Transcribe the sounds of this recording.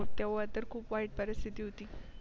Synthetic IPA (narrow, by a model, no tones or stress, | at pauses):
t̪jaʋɭat̪əɾkʰuːpʋaɦiʈ̚pəɾist̪ʰit̪iɦot̪iː